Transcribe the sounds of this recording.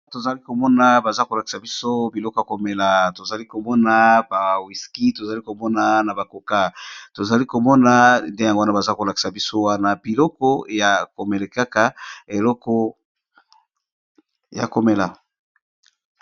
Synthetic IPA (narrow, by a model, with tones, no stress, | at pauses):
to˨za˨li˦ko˨mɔ˦na˦ba˨za˦ko˨la˨ki̥˨sa˨bi˦so˦bi˨lɔ˦kɔ˨ja˨ko˨me˨la˨to˨za˨li˦ko˨mɔ˦na˦ba˨wi˨ski˦to˨za˨li˦ko˨mɔ˦na˦na˨ba˨ko˨ka˦to˨za˨li˦ko˨mɔ˦na˦nde˦ja˨ŋɡo˦wa˦na˦ba˨za˦ko˨la˨ki̥˨sa˨bi˦so˦wa˦na˦b̥i˨lɔ˦kɔ˦ja˨ko˨me˨le˨ka˦ka˦e˨lɔ˦kɔ˦ | ja̰˨ko˨me˨la˨